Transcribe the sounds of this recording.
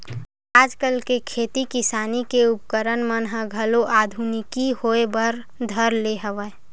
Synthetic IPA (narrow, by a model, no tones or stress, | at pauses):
aːd͡ʒkəlkekʰeːt̪ikɪsaːnikeʊp̚kəɾənmənɦəɡʱəloʔaːd̪ʱunɪkihoebəɾ | d̪ʱəɾleɦəʋə